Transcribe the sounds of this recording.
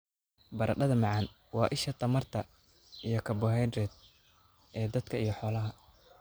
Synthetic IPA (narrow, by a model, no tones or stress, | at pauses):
bɐɾʔɐ̰ɖɐðɐmɑʕɑn | wɑːʔɪʃɐt̪ʰɐmɐrt̪ʰɐ | ijɞkʰɐbɔɦɛːd̪ɾɛd̪̚ | ʔɛːd̪ɐd̪kʰɐijɞħɔːlɐɦɐ